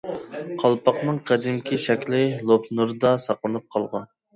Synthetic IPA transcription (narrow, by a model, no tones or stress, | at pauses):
qʰɑlˠpɑqnɨŋqʰæd̪ɪmkʲʰiʃɛkʲlɪlˠopʰnuɾɨd̪ɑsɑqlˠɨnɨp̚qʰɑlˠʁɑn